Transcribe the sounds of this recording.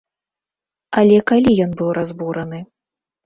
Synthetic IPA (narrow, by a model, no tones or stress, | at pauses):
ɐlʲɛkalʲijɔnbɨwɾʔazbuɾɐnɨ